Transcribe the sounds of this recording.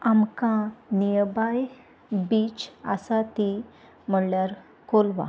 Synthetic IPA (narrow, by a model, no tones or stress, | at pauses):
amkãnijbaj | bit͡ɕa̰sat̪i | m̤əɽljaɾ | kolʋa̰